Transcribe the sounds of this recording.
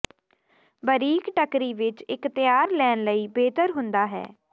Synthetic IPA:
bəɾiːkʈəkɾiːʋɪt͡ʃɪkt̪ɪjaːɾlɛːnləiːbeːt̪əɾɦʊnd̪aːɦɛ̰ː

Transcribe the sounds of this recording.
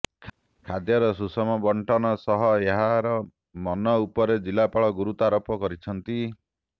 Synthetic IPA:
kʰad̪jɔɾɔsusɔmɔbɔɳʈʰɔnɔsɔɦɔeɦaɾɔ | mɔnɔupɔɾed͡ʒilapaɭɔɡuɾut̪ɔaɾɔpɔkɔɾit͡ʃʰɔnt̪i

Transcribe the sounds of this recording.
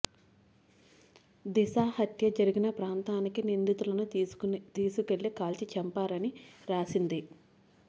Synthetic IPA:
d̪isaːhɐt̪jɐd͡ʒɐɾiɡinɐpɾaːnt̪aːnikinind̪it̪ulɐnut̪iːsukeɭːikaːlt͡ʃit͡ʃɛmpaːɾɐniɾaːsind̪i

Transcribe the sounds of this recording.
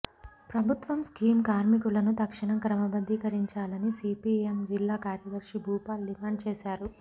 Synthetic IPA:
pɾɐbʱut̪ʋɐmskiːmkaːɾmikulɐnut̪ɐkʂiɳɐkɾɐmɐbɐd̪ʱːikɐɾiɲt͡ʃaːlɐnisiːpiːemd͡ʒilːaːkaːɾjɐd̪ɐɾʂibʱuːpaːlɖimaːɳɖt͡ʃeːsaːɾu

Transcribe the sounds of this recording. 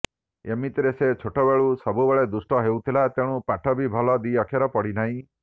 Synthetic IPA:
emit̪iɾeset͡ʃʰoʈɔbeɭusɔbubeɭed̪usʈɔɦewt̪ʰilat̪eɽ̃ũpaʈʰɔbʱibʱɔlɔd̪iɔkʰjaɾɔpɔɽinaɦĩ

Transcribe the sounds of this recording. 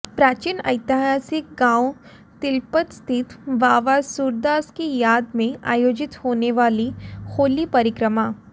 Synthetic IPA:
pɾaːt͡ʃinɐ̰ɪt̪iɦaːsɪk̚ɡãːw | t̪ɪlpət̪st̪ʰɪt̪ʋaːʋasuːɾd̪aːskijaːd̪mẽa̰ːjoːd͡ʒɪt̪hoːneʋaːlixoːlipɐɾɪkɾəmaː

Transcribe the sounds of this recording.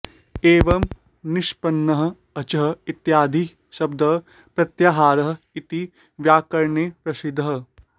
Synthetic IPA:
eːʋɐm | nɪʃpɐnːɐɦɐ̆ | ɐt͡ʃɐɦɐ̆it̪jaːd̪ʱi | ʃɐb̚d̪ɐɦ | pɾɐt̪jaːɦaːɾɐɦɐ̆ | it̪i | ʋjaːkɐɾɳeːpɾɐsid̪ʱɐɦɐ̆

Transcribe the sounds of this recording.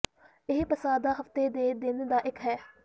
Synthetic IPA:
ɪɦpəsaːd̪aːɦəft̪eːd̪eːd̪eːneːd̪aːʔɪkɦɛː

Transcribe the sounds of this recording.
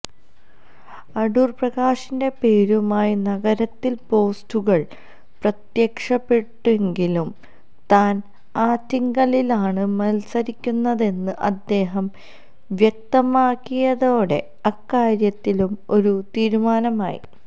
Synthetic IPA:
ɐɽuːrprɐɣaːʂinde̞peːɾumaːjinɐɡɐɾɐt̪ːilpo̞ːstuɣɐɭ | prɐt̪jɐkʂɐpːe̞ʈːeŋɡilum | t̪aːn | aːt̪ːiŋɡɐlilaːɳɨmɐlsɐɾikʲːunːɐðe̞nːɨʔɐd̪ːe̞ːɦɐm | ʋjɐk̚t̪ɐmaːkːijɐðo̞ːɽe̞̰ | ɐkːaːɾjɐt̪ːilumo̞ɾut̪iːɾumaːnɐma̰ːjḭ

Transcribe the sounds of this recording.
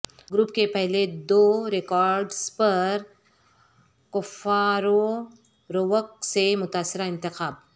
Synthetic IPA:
ɡɾuːpkepɛɦled̪oːɾɪkɔːɾɖzpɐɾɾ | kʊfaːɾo | ɾoʋək̚semʊt̪aːsːɪɾaɪ̃nt̪ɪxaːb̚

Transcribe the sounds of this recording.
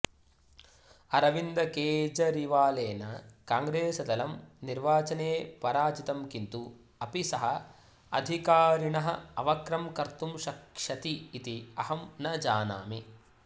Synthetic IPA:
ɐɾɐʋind̪ɐkeːd͡ʒɐɾiʋaːleːnɐkaːŋɡɾeːsɐd̪ɐlɐmniɾʋaːt͡ʃɐneːpɐɾaːt͡ʃit̪ɐmkint̪u | ɐpisɐɦɐ | ɐ̰d̪ʱikaːɾiɳɐɦɐɐʋɐkɾɐmkɐɾt̪umʃɐkʂɐt̪iːt̪iɐhɐmnɐd͡ʒaːna̰ːmi

